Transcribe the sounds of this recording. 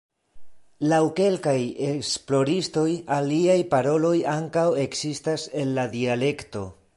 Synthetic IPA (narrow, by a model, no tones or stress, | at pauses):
lawke̞lkaje̞ksplo̞ɾisto̞jaliajpaɾo̞lo̞jaŋkawe̞ksistase̞nːadiale̞kto̞̰